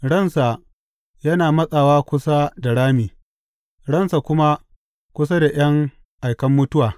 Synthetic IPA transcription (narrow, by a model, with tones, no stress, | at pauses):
ɽɐ˦˨nsa˨ | jɐ˦naː˨mɐ˦sʼaː˨waː˦kʷʊ˦sa˦da˨ɽaː˦miː˨ | ɽɐ˦nsa˨kʷʊ˦ma˦ | kʷʊ˦s̬a˦da˨j̰ɐ˦ŋ | ʔa˨jkɐ˦mːʊ˦tʊ˦waː˨